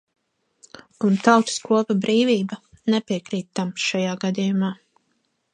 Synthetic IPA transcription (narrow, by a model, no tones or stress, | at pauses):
unt̪awt̪skuɔpabɾiːviːba | nɛpiɛkɾiːt̪ːamsʃajaːɡad̪ijumaː